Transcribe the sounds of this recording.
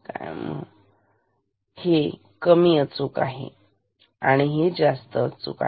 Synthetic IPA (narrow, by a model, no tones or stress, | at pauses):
ka̰jmə̰ | he | kəmiːət͡sukaɦḛ | aɽ̃iɦed͡zast̪ət͡sṵka̰